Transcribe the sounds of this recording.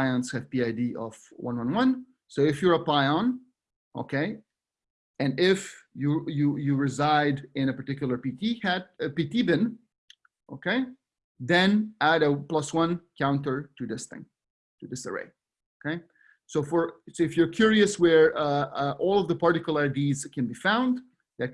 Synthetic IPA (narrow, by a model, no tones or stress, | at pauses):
aɪə̃nshɨv̥piaɪdiʌ̰v̥wʌ̰̃nwʌ̃nwʌ̃n | soʊɨfjə˞əpaɪə̃n | ʔo̰ʊkʰeɪ | ɨ̃nɪfjɨjɨjɨɹɪzaɪɾɪ̃ñəpə˞tɪkjʊl̩ˠə˞pitihæt̚pitibɪ̃n | ʔo̰ʊkʰeɪ | ðɨ̃næɾəplʌswʌ̃nkʰãʊ̃ntə˞tɨðɪsθɪ̰̃ŋ | tɨðɪsə̰ɹḛɪ | okʰeɪ | soʊfə˞soɨfjə˞kʰj̥ʊɹiɨswə˞ʌʔɔlˠɔvðəpɑɹtɪkl̩ˠaɪdiz̥kʰɨ̃nbifãʊ̃nd̪ | ðɨt̚